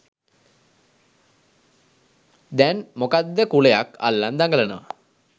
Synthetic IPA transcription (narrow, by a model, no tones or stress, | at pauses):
d̪ænmokad̪ːəkuɭejaka̰lːand̪aŋɡələnəʋə